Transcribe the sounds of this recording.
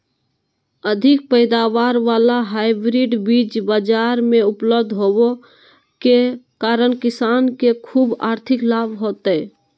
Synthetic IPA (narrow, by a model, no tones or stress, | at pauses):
əd̪ʱɪk̚pəɪd̪aːʋaːɾʋaːlaɦaːɪbɾiɖbiːt͡ʃbad͡ʒaːɾmẽʊpləbd̪ʱɦoːo | kekaːɾənkɪsaːnkekʰuːbaːɾt̪ʰɪklaːbʱɦoːt̪ɛ